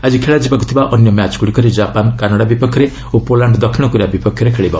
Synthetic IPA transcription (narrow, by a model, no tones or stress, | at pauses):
ad͡ʒikʰeɭad͡ʒibakut̪ʰibaʔɔnjɔmjat͡ʃkuɽikɔɾid͡ʒapankanaɽabipɔkʰjɔɾe | opolaɳɖd̪ɔkʰːiɽ̃ɔkuɾiabipɔkʰːjɔɾekʰeɭibɔ